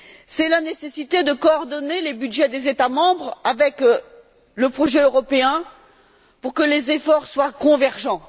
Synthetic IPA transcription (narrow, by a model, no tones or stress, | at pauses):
sɛlanesesit̪ed̪əkɔːʁd̪ɔnelebyd̪ʒɛd̪ezet̪amɑ̃bʁavɛk | ləpχɔʒɛøʁɔpeɛ̃ | puʁkəlezefɔʁswakɔ̃vɛʁʒɑ̃